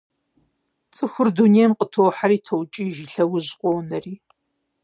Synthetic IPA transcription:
t͡sʼɨxʷʊrdunejmqʼətʰowħaɾiːtʰowt͡ʃʼiːʒiɬɐwʊʑqʷʼɔwnɐriː

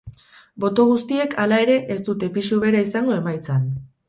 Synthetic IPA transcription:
bo̞t̪o̞ɣ̞ust̪ie̞kʰalae̞ɾe̞ʔest̪ut̪e̞pisuβe̞ɾaisaŋɡo̞e̞majt͡san

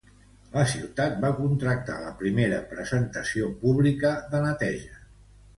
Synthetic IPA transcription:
ləsiwt̪at̪̚bakunt̪ɾək̚t̪a̰ləpɾimeɾə̰pɾəzənt̪əsiopuβlikəðənət̪ɛʒə

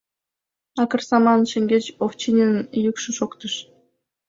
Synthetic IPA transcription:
ɑkə̆rsɑmɑnʃĕŋʲɡʲet͡ɕoft͡ɕinʲenjukʃɨʃokt̪ɯʃ

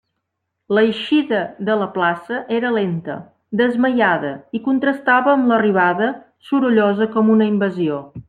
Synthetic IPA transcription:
ləjʃiðəðələplasəʔeɾəlent̪ə̰ | d̪əzməjaðə̰ikunt̪ɾəst̪aβəːmləriβ̞aðə | suɾuʎozəkɔmunəimbəzio

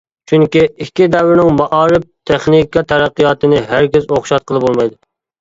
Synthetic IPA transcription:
t͡ʃʰyŋkʲiikʲːid̪ɛwɾɪnɪŋmɑʔɑːɾɪp̚t̪ʰeχnikʰɑt̪ʰɛɾæqːijɑːt̪ɨnɪɦæɾkʲɪzoχʃɑt̪̚qʰəlˠɨbolˠmɑjd̪ʊ

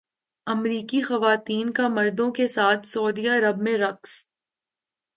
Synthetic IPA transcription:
ɐmɾiːkixɐʋaːt̪iːnkamɐɾd̪õkesaːt̪ʰsɐːd̪iɐɾəb̚mẽɾɐqs

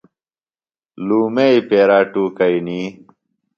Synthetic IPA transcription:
luːmeipeːɾaːʈuːkɐiniː

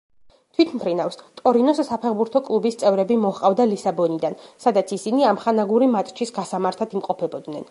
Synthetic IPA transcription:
t̪ʰwit̪ʰmpʰɾinafst̪ʼɔɾinɔsːapʰɛʁbuɾt̪ʰɔkʼlˠubist̪sʼɛvɾɛbimɔχqʼavd̪alisabɔnid̪ansad̪at̪sʰisiniamχanaɡuɾimat̪ʼt͡ʃʰisɡasamaɾt̪ʰat̪imqʼɔpʰɛbɔd̪nɛn

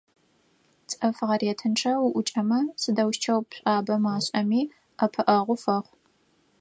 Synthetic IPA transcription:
t͡sʼɐfʁɐriɛːtʰɨnʈ͡ʂʰɐwʊʔʷʊt͡ʃʼɐmɐsɨdɐwʃt͡ʃʰɐwpɕʷʼaːbɐmaːɕʼɐmiː | ɐpʰɨʔɐʁʷʊfɐχʷ

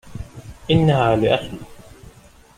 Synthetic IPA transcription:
ʔɪnːahaːlɪʔaxl

